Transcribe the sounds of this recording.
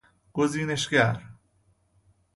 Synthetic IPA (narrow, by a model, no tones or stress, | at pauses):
ɡ̥oziːneʃkaɾ